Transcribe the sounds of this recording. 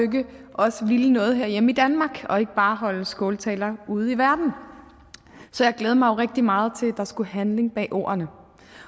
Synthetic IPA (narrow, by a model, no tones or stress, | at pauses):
øɡ̥əʔɒ̽səʋilənɔ̽ːð̞̩ˠɦeɐ̰jemid̥ænmɑ̈ːɡ̥ɒ̽e̝ɡ̥əb̥ɑ̈ːɦɒ̽ləsɡ̥ɔːlt͡sʰɛ̰ːlɐuð̞̩ˠiʋæɐd̥n̩ | sɒjɑ̈ɪɡ̥leːð̞ˠmɑ̈ɪo̝ʁeɡ̥̚d̥imɑ̈ːð̞̩ˠt͡sʰe̝ld̥ɑ̈sɡ̥uhænle̝ŋb̥ɛ̰ːʔo̝̰ːɐnə